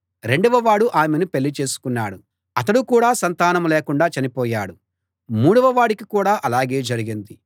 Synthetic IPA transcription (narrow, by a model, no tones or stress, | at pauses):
ɾe̞ɳɖuʋɐʋaːɽuʔaːmenupe̞lːit͡ʃe̞ːsu̥kunːaːɽu | ɐt̪ɐɽukuːɽaːsɐnt̪aːnɐmleːkuɳɖaːt͡ʃɐnipɔːja̰ːɽu | muːɽuʋɐʋaːɽikikuːɽaːʔɐlaːɡe̞ːd͡ʒɐɾiɡind̪i